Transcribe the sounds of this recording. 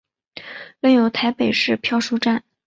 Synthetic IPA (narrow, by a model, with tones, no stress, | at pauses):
lə˥˩ŋjo˨˩ʊt̪ʰa˧˥ɪpe˨˩ɪʂɻ̩˥˧pʰjɑ˥˧ʊʂu˥ʈ͡ʂa˥˩n